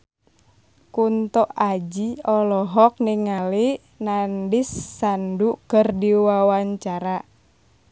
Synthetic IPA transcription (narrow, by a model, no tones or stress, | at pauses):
kunt̪ɔʔad͡ʒiɔlɔɦɔk̚niŋali | nandisːandukərdiwawaɲt͡ʃaɾa